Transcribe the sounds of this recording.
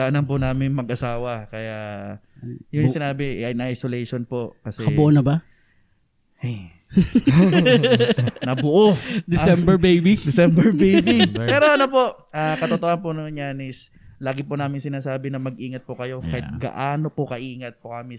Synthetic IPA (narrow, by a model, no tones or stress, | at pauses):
ɐʔɐnɐmpʊnaːmɪŋmɐɡ̚ʔɐsaːwɐkɐjaʔ | jʊnisɪnaːbɪʔjnɐʔajsolɛjʃonpoʔkɐsɛɐbʊʔonɐba | ʔaj | nɐbʊʔod̪ɪsɛmbɛɹbejbid̪ɛsɛmbɛɹbejbiɛːɾoʔɐnopo̞ʔ | aːkɐt̪ot̪ohɐnponoŋjaːnɪs | laːɡɪpʊnaːmɪŋsɪnaːsaːbɪnɐmɐɡ̚ʔiːŋɐt̪̚pʊkɐjo̞kɐɪt̪̚ɡɐ̰ʔaːno̞pʊkɐʔiːŋɐt̪̚pokɐmɪ